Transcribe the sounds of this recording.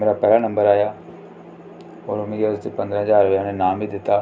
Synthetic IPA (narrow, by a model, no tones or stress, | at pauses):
meːɾapɛːlanɐ̃mbəɾaːjaː | ɔːɾʊmẽɡeʊst̪epɐ̃nd̪ɾə̃ɦəzaːɾʋjanẽnaːmbid̪ɪt̪ːaː